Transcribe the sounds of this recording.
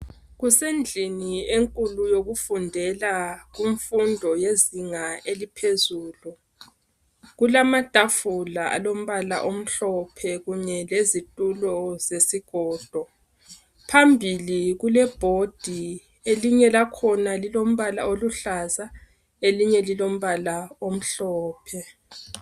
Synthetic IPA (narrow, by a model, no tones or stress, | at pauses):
ɣusend͡ɮʱinieŋkʼulujoɣufundʱɛlaɣuɱfundʱɔjeziŋaelipʰezuːlu | ɣulamad̥ʱafulaa̰lom̩βala̰ʔom̩ɬɔpʰɛɣuɲɛlezitʼulɔzesiɡ̥ʱɔːd̥ʱɔ | pʰambʱiliɣulɛb̥ʱod̥ʱi | eliɲɛlakʰɔnalilom̩βala̰oluɬaza | eliɲɛlilom̩βalaom̩ɬɔːpʰɛ